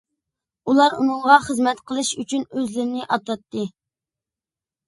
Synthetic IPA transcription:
ulˠɑɾṵnɨɴʁɑχəzmɛt̪qʰəlˠɨʃyt͡ʃʰynøzlɪɾɪnɪʔɑt̪ɑt̪ːɨ

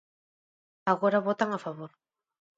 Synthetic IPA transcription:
aɣoɾaβot̪aŋafaβoɾ

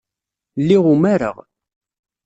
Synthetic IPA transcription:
lːiʁumæɾə̰ʁ

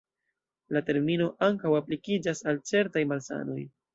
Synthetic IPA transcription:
late̞ɾmino̞ʔaŋkawaplikid͡ʒasalt͡se̞ɾtajmalsa̰no̞̰j

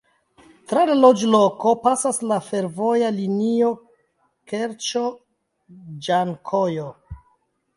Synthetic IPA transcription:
tɾalalod͡ʒlo̞kopasaslafe̞ɾvo̞jalinio̞ | keɾt͡ʃo | d͡ʒaŋkʰojo

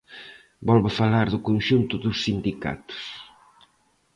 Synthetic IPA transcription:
bɔlβafalaɾðʊkonʃunt̪ʊðʊsːind̪ika̰t̪ʊ̥s

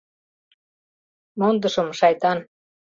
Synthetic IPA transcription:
mond̪ə̆ʃɤ̆mʃɑjt̪ɑn

